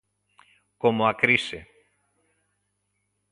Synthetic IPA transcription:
komoakɾisḛ

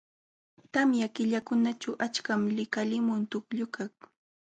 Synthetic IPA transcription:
t̪amjakɪʎakʊnat͡ʃawʔat͡ʃkamlɪkalɪmʊnt̪ʊkʎʊkak

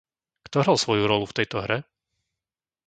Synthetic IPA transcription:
kt̪ɔɦɾalˠsʋɔjuɾɔluft̪ɛjt̪ɔɦɾɛ

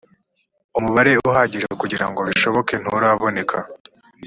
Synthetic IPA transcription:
umuβaɾe̞uɦaːɟiʒekuɟiɾa̰ŋɡoβiʃo̞βo̞ken̥uɾaβo̞ne̞kʰa

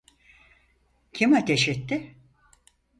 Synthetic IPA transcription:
cʰimat̪ʰeʃɛt̪ːɪ

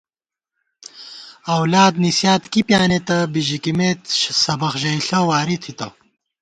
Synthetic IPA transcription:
ɐwlaːd̪nisjaːt̪kipjaːnet̪ɐbiʑikimeːt̪ɕsɐbɐxʑɐjɬɐwaːɾit̪ʰit̪ɐ̰

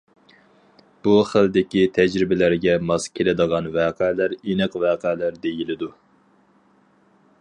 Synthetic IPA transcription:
b̥uχəld̪ɪkʲit̪ʰɛd͡ʒɾɪbɪlæɾɡʲɛmɑskʲʰelɪd̪əʁɑnvæːqʰælæɾenɨqvæːqæːlæɾd̪ejilɪd̪u

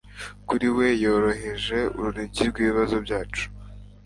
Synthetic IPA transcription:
kuɾiwe̞jo̞ːɾo̞ɦe̞ʒe̞ṵɾuɾiɟiɾɡwiːβiβazo̞bɟaːt͡ʃu̥

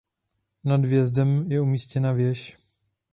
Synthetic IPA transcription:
nadvjɛzdɛmjɛumiːscɛnavjɛʃ

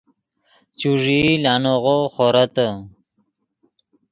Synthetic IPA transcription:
t͡ɕuʐilaːnoʁoχoɾat̪ə

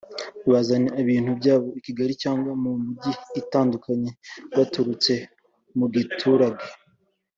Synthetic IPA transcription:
βazaneaβiːn̥hubɟaːβo̞ikiɡaɾicaːŋɡwamumuɟiːtaːndukʰaɲe̞βatuɾut͡se̞ | muɡitʰuɾaɡe

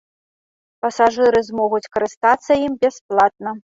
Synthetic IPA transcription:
pɐsaʐɨɾɨzmɔɣut͡sʲkɐɾɨst̪at̪sːɐjimbʲɛsplˠat̪̚nɐ

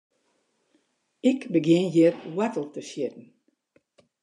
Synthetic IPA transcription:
ɪkbəɡjɪnjɪrwɛtl̩ˠtəʃjɪtn̩

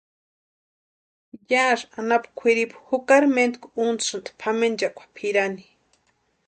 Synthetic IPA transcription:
jaʐanapkʷʰiɾipxukaɾment̪kʷuunt͡ssɨnt̪pʰamend͡ʒakʷʰḁpʰiɾani

